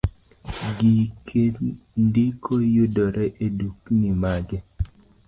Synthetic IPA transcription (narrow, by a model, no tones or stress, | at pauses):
ɡikʰendɪkʰojʊdɔɾɛʔeduknimaɡɛ